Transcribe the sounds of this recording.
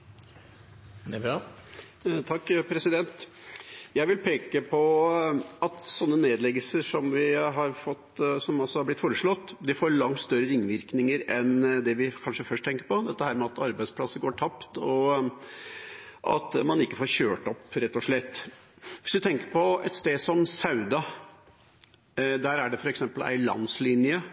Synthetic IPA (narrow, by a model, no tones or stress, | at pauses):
t̪ʰɑkːpʰɾɛsɪd̪ɛnt̪ | jæɪʋɪlpʰeːkəpʰɔ | ɑt̪sɔnːəneːd̪lɛɡəlsəʂɔmʋɪɦɑɾfɔt̪sɔmɑlsɔhɑɾblɪt̪ːfoːɾəʂɭɔt̪ːd̪ɪfoːɾɭɑŋt̪st̪œɾəɪŋːʋɪɾknɪŋəɾɛnd̪ɛʋɪkʰɑnʂəfœʂʈt̪ʰɛŋkəɾpɔd̪ɛt̪ːəhæːɾmɛɑt̪ʰɑɾbæɪspʰlɑsəɡoːʈʰɑpt̪ɔ | ʔɑ̰t̪mɑnɪkːəfoːɾɕøːʈɔpːɾɛt̪ːɔʂɭɛt̪ː | ʋɪsd̪ʉt̪ʰɛŋkəɾpʰɔɛt̪st̪eːsɔmsɑʉd̪ɑ | d̪æːɾæɖɛfɔɾɛksɛmpəlæ̰ɪlɑ̰nslɪnjə